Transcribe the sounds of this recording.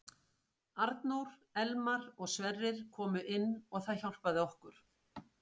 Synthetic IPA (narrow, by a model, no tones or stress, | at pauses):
aɾt̪nowɾ̥ɛlmaɾɔɣsvɛrːɪɾ̥kʰɔːmʏʔɪnːɔɣθaðçawl̥paðɪɔhkʏɾ̥